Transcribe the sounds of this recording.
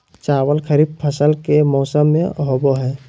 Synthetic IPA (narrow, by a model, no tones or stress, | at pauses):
t͡ʃaːwəlkʰəɾiːb̚pʰəsəlkemɔːsəmːḛ̃ɦoːboɦɛː